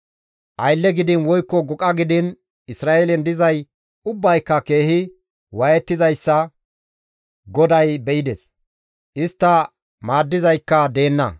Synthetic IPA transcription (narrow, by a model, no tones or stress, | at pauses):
ʔɐjlːɛɡɪd̪ɪnwɔjkːɔɡɔkʼɐɡɪd̪ɪn | ɪsɾaːʔelɛnd̪ɪzɐj | ʊbːɐjkːɐke̞ːhɪ | wɐjɛt̪ːɪzɐjsːɐ | ɡɔd̪ɐjbɛʔɪd̪ɛs | ʔɪst̪ːɐ | maːd̪ːɪzɐjkːɐd̪e̞ːnːɐ̰